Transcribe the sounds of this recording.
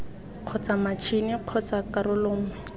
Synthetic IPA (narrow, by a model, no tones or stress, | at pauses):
q͡χʰɔt͡samat͡ʃʰinɪq͡χʰɔt͡sakaɾʊlʊːŋɛ